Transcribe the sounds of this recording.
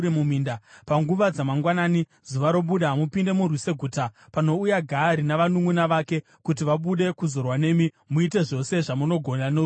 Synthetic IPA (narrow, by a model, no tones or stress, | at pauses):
emumindapaŋɡuʋad͡zamaŋɡwanaːni | zuʋaɾo̞ɓuɗamupinde̞murwise̞ɡʱutapano̞ujaɡʱaɾinaʋanuŋunaʋaːke̞ | kutiʋaɓuɗe̞kuzo̞rwane̞mi | muite̞ʐo̞se̞ʐamuno̞ɡʱo̞nano